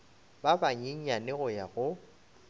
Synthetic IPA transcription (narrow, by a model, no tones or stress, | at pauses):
babaɲeɲ̩anɪɣʊjaɣʊ